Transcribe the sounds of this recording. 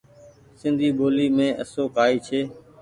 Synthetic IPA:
sɪ̃nd̪ʱiːɓoːliːmẽːʔə̰soːkaːiːt͡ʃʰeː

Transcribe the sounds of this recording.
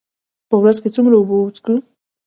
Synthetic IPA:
pəwɾazket͡suŋɡɾaubout͡sku

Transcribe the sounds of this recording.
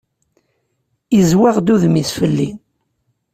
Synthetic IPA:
izwaʁd̪uðmisfəlːin

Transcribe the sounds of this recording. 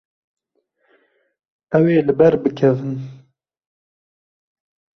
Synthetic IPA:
ɛweːlɨbɛɾbɨkʰɛvɨn

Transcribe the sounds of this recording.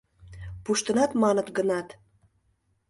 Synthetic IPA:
puʃt̪ə̆nɑt̪mɑnə̆t̪ɡənɑt̪

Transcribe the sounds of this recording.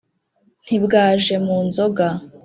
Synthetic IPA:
n̥hibɡaːʒe̞muːnzo̞ɡa

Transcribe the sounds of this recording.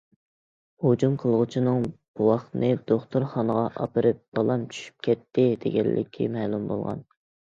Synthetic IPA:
hod͡ʒumqʰəlˠʁʊt͡ʃʰinɨŋb̥uwɑχt̪nɨd̪oχt̪ʰuɾχɑnəʁɑʔɑ̰pɨɾɨp̚b̥ɑlˠɑmt͡ʃʰy̥ʃy̥p̚kʲʰɛt̪ʰːɪd̪eɡʲɛ̰lːʔɪ̰kʲʰḭmɛːlˠumbo̰lˠʁɑ̰n

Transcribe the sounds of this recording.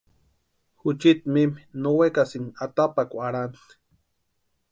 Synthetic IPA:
hut͡ʃit̪mimnowekasinat̪apakʷaɽanɬ

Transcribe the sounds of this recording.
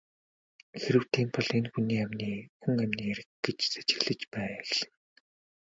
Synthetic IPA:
xeɾɘ̆w̥t̪ʰiːmpɔɮenxuniːæmʲniːɵŋæmʲniːæɾɘ̆k̚ɡet͡ɕse̥t͡ɕɪ̆ɣɮɘ̆t͡ɕpæːxɮɘ̥̆ŋ

